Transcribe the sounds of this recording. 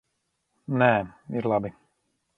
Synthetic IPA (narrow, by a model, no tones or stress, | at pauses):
nɛːiɾlˠabi